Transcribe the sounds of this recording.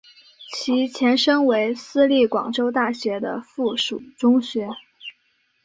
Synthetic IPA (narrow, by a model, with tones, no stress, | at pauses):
t͡ɕʰi˧˥t͡ɕʰjɛ˧˥nʂɤ˥ŋwe˧˥ɪsɹ̩˥li˥˩kwɑ̰˨˩ŋʈ͡ʂo˥ʊt̪a˥˩ɕɥɛ˧˥d̪ə̰˧fu˥˩ʂu˨˩ʈ͡ʂʊ˥ŋɕɥɛ˧˥